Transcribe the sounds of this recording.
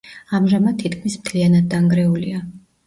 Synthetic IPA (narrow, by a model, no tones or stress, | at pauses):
amʒamad̪̚t̪ʰːit̪kʰmismt̪ʰlianad̪̚ːaŋɡɾɛulia